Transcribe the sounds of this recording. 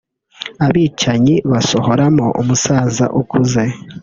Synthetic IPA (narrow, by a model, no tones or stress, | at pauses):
aβiːt͡ʃaɲiβasoho̞ɾamoʔumusaːza̰ʔukʰuze̞